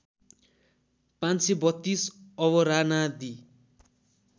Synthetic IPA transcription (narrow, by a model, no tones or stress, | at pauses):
pãnt͡sebʌt̪ːisʌβʌɾanad̪i